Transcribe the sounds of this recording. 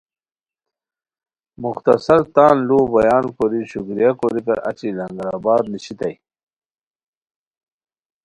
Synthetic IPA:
muxt̪ɐsɐlt̪aːnluːbɐjaːnkoɾiɕuɡɾijakoɾikɐɾɐ̰t͡ɕilɐŋɡɾa̰ːbaːd̪niɕit̪ɐj

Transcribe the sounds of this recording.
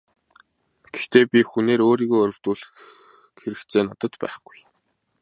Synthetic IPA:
ɡ̥e̥xt̪eːpʲixuneːɾoːɾiːɣoːɔɾʲɵ̆w̥t̪uːɮɘ̆x | xeɾɘ̆kt͡sʰeːnɔt̪ə̆t̪pæ̰ːχɡ̥uj

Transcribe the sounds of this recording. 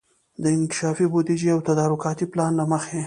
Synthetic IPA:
d̪əɪnkɪʃɑfibod̪id͡ʒiawt̪ad̪ɑɾʊkɑt̪iplɑnlaməxe

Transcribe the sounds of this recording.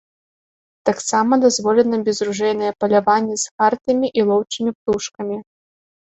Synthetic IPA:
t̪aksamɐd̪azvɔlʲɛnɐbʲɛzɾuʐɛjnɐjɛpɐlʲavanʲːɛsxart̪ɐmʲiʔilˠɔwt͡ʂɨmʲipt̪uʂkɐmʲi

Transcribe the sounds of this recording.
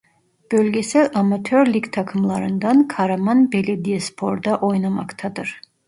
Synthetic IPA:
b̥ølɡɛsɛʔamat̪ʰøɾlikt̪ʰakʰɯmlˠɑɾɯnd̪ankʰaɾamanbɛlɛd̪ijɛspʰoɾd̪aʔojnama̰kt̪ʰad̪ɯɾ

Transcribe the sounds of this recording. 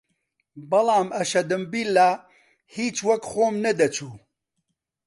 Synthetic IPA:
bɐlɑːmɐʃɐd̪ɨmbiːlːaː | hiːt͡ʃwɐkxoːmnɐd̪ɐt͡ʃʰuː

